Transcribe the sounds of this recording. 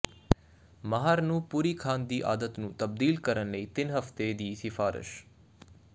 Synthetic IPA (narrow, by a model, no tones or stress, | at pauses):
məɦaːɾnũːpuːɾiːkʰaːnd̪iːʔa̰ːd̪ət̪nũːt̪əb̚d̪iːlkəɾənləiːt̪ɪnɦəft̪eːd̪iːsɪfaːɾɪ̰ʃ